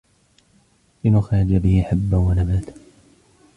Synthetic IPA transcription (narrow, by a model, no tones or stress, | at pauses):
lɪnʊxaːd͡ʒabɪhɪħabːawanabaːt̪